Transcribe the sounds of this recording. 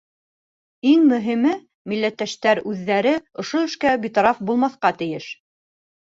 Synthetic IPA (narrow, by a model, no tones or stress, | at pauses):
iŋmɵ̆ɦimɘ | milːæt̪ːæʃt̪æɾʉðːæɾɘŏʃoɘ̆ʃkæbit̪ɑɾɑfbulˠmɑθqɑt̪ɘ̆jɘʃ